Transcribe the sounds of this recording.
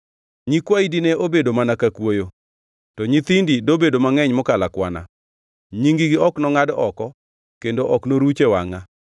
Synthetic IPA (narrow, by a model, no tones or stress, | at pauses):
ɲikwaidinɛʔobedomanakakwojo | tɔɲit̪indidobedomaŋɛɲmɔkalakwa̰na̰ | ɲiŋɡiɡɪɔknɔŋadɔkɔ | kendoʔɔknoɾut͡ʃewa̰ŋa